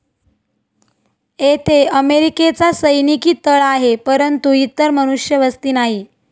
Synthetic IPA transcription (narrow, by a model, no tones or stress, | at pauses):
et̪ʰeəmeɾiket͡sasəjnikiːt̪əɭaɦepəɾənt̪uit̪ːəɾməñuʂjəʋəst̪iːnaɦiː